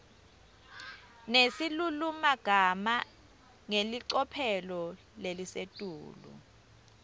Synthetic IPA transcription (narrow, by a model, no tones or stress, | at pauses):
nesilulumaɡ̥ʱama | ŋeliǀɔpʰɛlɔ | lelisetʼṵːlṵ